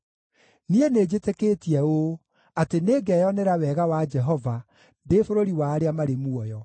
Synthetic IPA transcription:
niened͡ʑeteketiɛo | ateneːɡɛjɔneɾawɛɣawad͡ʒɛɦɔva | ndefoɾoɾiwaːɾeamaɾemuɔjɔ

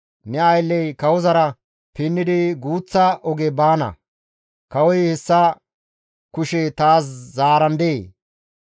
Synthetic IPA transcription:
nɛɐjlːɛjkɐwɔzɐɾɐ | pɪnːɪd̪ɪɡuːt͡sːɐʔɔɡɛbaːnɐ̰ | kɐwɔjhɛsːɐ | kʊʃɛt̪aːs̬zaːɾɐnd̪eː

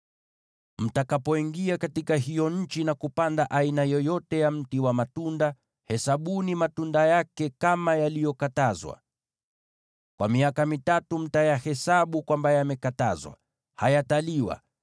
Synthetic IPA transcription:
m̩takapɔiŋɡiakatikaɦijɔɲ̩t͡ʃinakupandaʔainajɔjɔtɛjam̩tiwamatunda | hɛsaɓunimatundajakɛkamajalijɔkatazwa̰ | kwʔa̰miakamitatum̩tajahɛsaɓukwambajamɛkata̰zwa̰ | hajataliwa̰

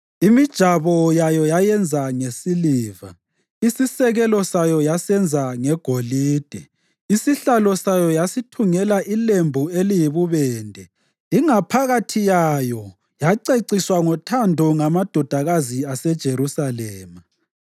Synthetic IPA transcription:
imid̥ʒ̥ʱaβɔjajɔjajɛnd͡zʱaŋesiliːva̰ | isisɛɣɛlɔsajɔjasɛnd͡zʱaŋɛɡ̥ʱoliːd̥ʱɛ | isiɬalɔsajɔjasitʰuŋɛlaʔilembʱuelijiβuβɛːndʱɛ | iŋapʰaɣatʰijajɔ | jaǀeǀiswaŋɔtʰandʱɔŋamad̥ʱɔd̥ʱaɣaziasɛd̥ʒ̥ʱeɾusalɛːma

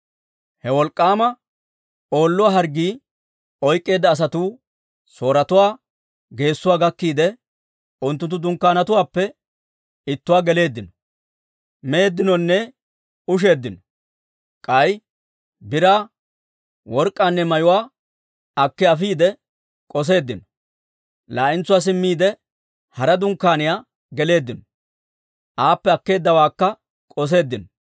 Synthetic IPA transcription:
hɛwɔlkʼːaːmɐ | o̞ːlːʊwaːɦɐɾɡiː | ɔjkʼːe̞ːd̪ːɐːs̬ɐt̪uː | so̞ːɾɐt̪ʊwaː | ɡe̞ːsːʊwaːɡɐkːiːd̪ɛ | ʊnt̪ːʊnt̪ːʊd̪ʊŋkːaːnɐt̪ʊwaːpːɛ | ɪt̪ːʊwaːɡɛle̞ːd̪ːɪnɔ | meːd̪ːɪnɔnːɛ | ʊʃ̬e̞ːd̪ːɪnɔ | kʼɐj | bɪɾaː | wɔɾkʼːaːnːɛmɐjʊwaː | ɐkːɛɐfiːd̪ɛ | kʼɔs̬e̞ːd̪ːɪnɔ | laːʔɪnt͡sːʊwaːs̬ɪmːiːd̪ɛ | hɐɾɐd̪ʊŋkːaːnɪjaː | ɡɛle̞ːd̪ːɪnɔ | ʔaːpːɛɐkːe̞ːd̪ːɐwaːkːɐ | kʼɔs̬e̞ːd̪ːɪnɔ

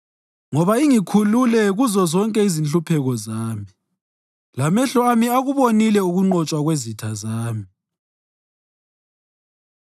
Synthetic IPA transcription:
ŋɔβaiŋikʰululɛɣuzɔzɔŋkʼɛizinɬupʰɛɣɔzaːmi | lamɛɬɔamiaɣuβonilɛuɣuŋ͡ǃɔt͡ʃʼwaɣwezitʰazaːmi

